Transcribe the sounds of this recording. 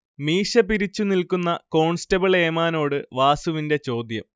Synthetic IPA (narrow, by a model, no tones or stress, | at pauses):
miːʂɐpiɾit͡ɕːunilkunːɐko̞ːɳstɐbɐɭe̞ːmaːno̞ːɽɨʋaːsuʋinde̞t͡ɕo̞ːd̪jɐm